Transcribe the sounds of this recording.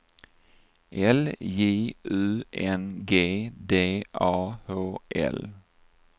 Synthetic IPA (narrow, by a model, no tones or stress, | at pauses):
ʔɛljeːʔʉːʔɛnɡeːd̪eːʔɑːhoːʔɛ̰l